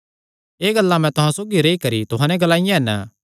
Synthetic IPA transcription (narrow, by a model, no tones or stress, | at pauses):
eːɡɐlːamɛ̃t̪ʊɦãsoːɡiɾeikɐɾit̪ʊɦãːnɛ̃ɡɐlaːɪjãɦɛnə